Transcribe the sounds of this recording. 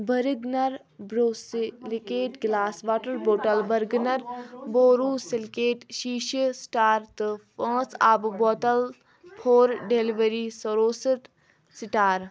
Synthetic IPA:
bɐɾiɡnɐɾ | bɾoːsilikeːʈɡlaːsʋaːʈəɾboːʈɐlbɐɾɡnɐɾboːɾuːsilkeːʈʃiːʃsʈaːɾt̪ɨpʰãːsaːbboːʈ̪ɐl | pʰoːɾɖeliʋəɾisɐɾoːsəʈ | siʈaːɾ

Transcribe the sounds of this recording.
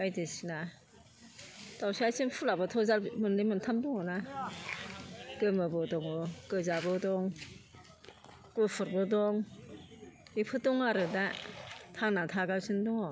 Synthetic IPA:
ajdɯsina | tawsajsʰinpʰulabɯtʰɔzalmɯnlemɯntʰamdɔŋɯna | ɡ̥ɯmɯbɔdɔŋɔɡɯzabɯdɔŋ | kɯpʰɯɾbɔdɔŋ | ipʰɯdɔŋaɾɯdatʰaŋnatʰaɡasʰindɔŋɔ

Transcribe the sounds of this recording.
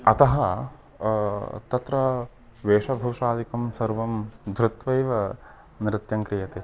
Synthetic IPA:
ɐt̪ɐɦɐ | t̪ɐt̪ɾɐ | ʋeːʂɐbʱɐwʂaːd̪ikɐmsɐɾʋɐmd̪ʱɾɪt̪ʋɐjʋɐ | nɾɪt̪jɐŋkɾijɐt̪e

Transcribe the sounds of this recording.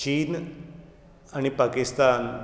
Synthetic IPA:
t͡ɕiːn | añipakist̪an

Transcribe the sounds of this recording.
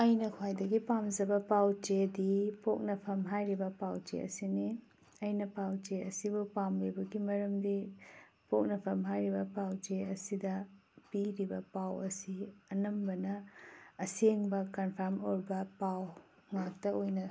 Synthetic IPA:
ɐjnɐkʰwajdɐɡipamd͡ʒɐbɐpawt͡ʃedipok̚nɐpʰɐmɦajɾibɐpawt͡ʃḛɐ̰sini | ɐjnɐpawt͡ʃeɐsibupamlibɐɡimɐɾɐmdi | pok̚nɐpʰɐmɦajɾibɐpawt͡ʃeɐsidɐpiɾibɐpawɐsiɐnɐmbɐnɐː | seŋbɐkɐnpʰɐɾmoɾbɐpaw | ŋak̚tɐojnɐ

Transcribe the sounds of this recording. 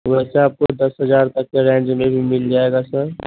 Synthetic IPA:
ʋɛːseaːp̚kod̪ɐsɦəd͡ʒaːɾt̪ɐkːeɾɛ̃ːnd͡ʒmẽbʱimɪld͡ʒaeɡasəɾ

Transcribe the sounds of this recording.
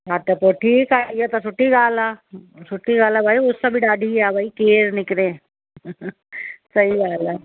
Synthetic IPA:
ɦat̪epoʈʰiːkaːijat̪asʊʈːiɡaːlasʊʈʰːiɡaːlabʱaːiʊsːabʱiɖaːɖʱiaːbʱaːikeːɾnɪkɾẽː | sɐiaːla

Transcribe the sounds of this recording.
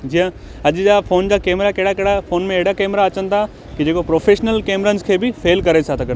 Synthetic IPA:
d͡ʑijə̃ | ɐʄd͡ʑafʰoːnd͡ʑaːkeːmɾakɐɦɪɽakɐɦɪɽafʰoːnmẽeɦɽakeːmɾaɐt͡ɕənɪ̆t̪ʰa | kid͡ʑeːkopɾoːfʰeːʃnəlkeːmɾənɪzkʰeːbɪfʰeːlkɐɾesat̪ʰɐkɐ

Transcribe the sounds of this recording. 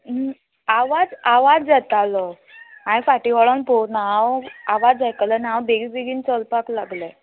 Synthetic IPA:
aʋad͡zaʋad͡zd͡zat̪alɔ | ãĩfaʈiʋɔɭɔnponaɦãwaʋad͡zajkələnãwbeɡibeɡiːnt͡səlpaklaɡlɛ

